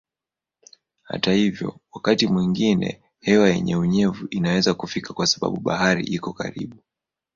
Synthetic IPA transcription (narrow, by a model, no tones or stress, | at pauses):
ha̰tahivjɔ̰wakatimwiŋɡinɛ̰ | hɛwajɛ̰ɲɛuɲɛvuʔinawɛzakufikʰakwasaɓa̰ɓuɓa̰ɦaɾḭʔikɔka̰ɾḭɓu